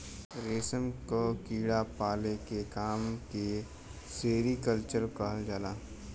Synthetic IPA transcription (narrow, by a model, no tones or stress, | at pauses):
ɾeːsəmkokiːɽapaːlekekaːmke | seːɾikəlt͡ʃəɾkəɦəld͡ʒaːlaː